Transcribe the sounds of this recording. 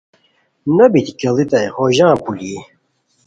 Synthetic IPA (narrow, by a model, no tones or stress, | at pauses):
nɐbit̪ikɐlit̪ɐjhoʑãːpuli